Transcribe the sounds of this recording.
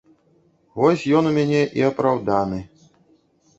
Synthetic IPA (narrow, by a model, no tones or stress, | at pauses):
vɔsʲjɔnumʲanʲɛʔiɐpɾawd̪anɨ